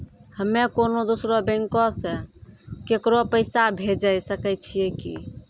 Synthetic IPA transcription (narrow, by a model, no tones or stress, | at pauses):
həmːekonod̪usɾobɛ̃ŋkɔsẽkekɾopəɪsabʱed͡ʒajsəkɛt͡ʃʰijɛkḭ